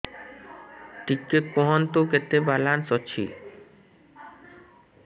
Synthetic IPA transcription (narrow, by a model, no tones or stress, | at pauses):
ʈ̪ikːeoɦant̪oket̪ːebalansɔt͡ɕʰḭ